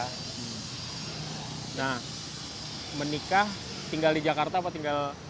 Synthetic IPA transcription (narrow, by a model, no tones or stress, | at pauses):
nah | mənikah | t̪iŋɡaldid͡ʒakart̪aːpat̪iŋɡal